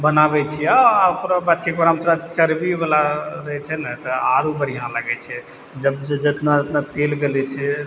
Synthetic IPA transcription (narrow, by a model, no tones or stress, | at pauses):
bənabɛt͡ʃʰɛaukɾabat͡ʃʰikbəɾamt̪ɾat͡ʃəɾbibalaɾəɦɛt͡ʃʰɛnɛt̪ɔaɾubəɽ̤ijãləɡɛt͡ʃʰɛ | d͡ʒəbd͡ʒd͡ʒət̪nad͡ʒət̪nat̪elɡelɛt͡ʃʰɛ